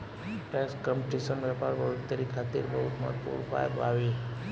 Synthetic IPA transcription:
ʈeskəmpʈisənʋɛpaɾʋəɾuɽt̪əɾikʰat̪iɾbəɦut̪ma̰pṵɽpa̰jbaʋi

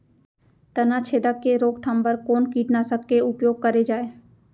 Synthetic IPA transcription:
t̪ɐnãt͡ʃʰeːd̪əkːeɾoːkt̪ʰambəɾkoːnkiːʈnasəkkeʊpjoːɡ̚kəɾed͡ʒaːe

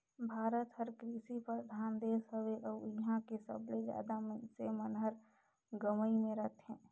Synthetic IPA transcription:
bʱaːɾət̪həɾkɾiːsipəɾd̪ʱaːnd̪eːsɦəʋeʔɔːjiɦãkesə̰blezja̰ːd̪amsemənɦəɾ | ɡəməimẽɾət̪ʰɦɛ̃ː

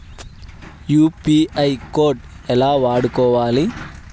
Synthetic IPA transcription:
juːpiːɐjkoːɾʈ | ɛlaːʋaːɽukɔːʋaːli

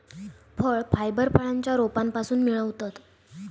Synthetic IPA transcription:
fʰəɭfʰajbəɾpʰəɭaɲt͡ɕjaɾopampasuːnmiɭəʋt̪at̪

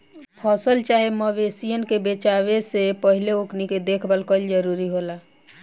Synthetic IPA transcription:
pʰɔsəlt͡ʃaɦeməʋesijənkebet͡ʃaβesepəɦileokniked̪ekʰbəlkəld͡ʒəɾuɾiɦola

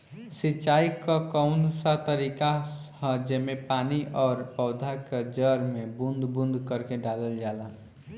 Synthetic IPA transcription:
sit͡ʃaːikakəʊnd̪sat̪əɾiːkahə̃d͡ʒemepaːniʔɔːɾpɔʊd̪ʱaked͡ʒəɾmebʊnd̪bʊ̃nd̪ʱkəɾkeɖaːləld͡ʒaːla

